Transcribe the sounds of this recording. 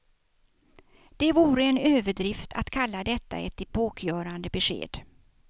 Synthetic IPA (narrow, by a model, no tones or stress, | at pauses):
d̪̥ɛvuːɾəɛnøːvəɖɾɪft̪ʰa̰t̪kʰalːad̪ɛt̪ːa̰ɛ̰t̪ːɪpʰoːkʰjœːɾand̪əbɛɧḛːd̪